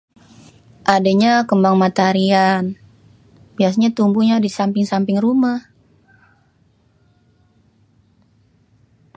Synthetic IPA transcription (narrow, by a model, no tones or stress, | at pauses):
ʔadaɲakəmbaŋmat̪aɾian | bias̬aɲat̪umbuɲadisampɪŋsampɪŋrumah